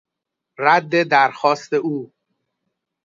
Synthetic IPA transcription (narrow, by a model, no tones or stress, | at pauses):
ɾæd̪ːe̞d̪æɾxɒːst̪e̞ʔuː